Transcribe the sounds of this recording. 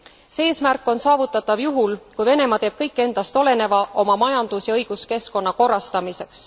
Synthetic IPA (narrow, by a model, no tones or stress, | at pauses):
see̞ːsmærkːˑo̞nsɑːvut̪ːˑɑt̪ːˑɑvjuɦulkujve̞ne̞mɑt̪e̞ːb̥̚kɤjkːˑe̞nd̪̥ɑst̪o̞le̞ne̞vɑʔo̞mɑmɑjɑnd̪̥usjɑɤjɡ̥uske̞sko̞nːɑko̞rːɑst̪ɑmise̞ks